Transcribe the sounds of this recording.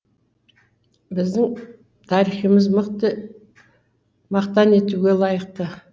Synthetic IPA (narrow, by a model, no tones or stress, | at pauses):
bɪzd̪ɪŋ | t̪ʰɑɾiχijmɪzmqt̪ | mɑqt̪ɑne̞t̪uɡʲe̞lˠɑjəq̚t̪ə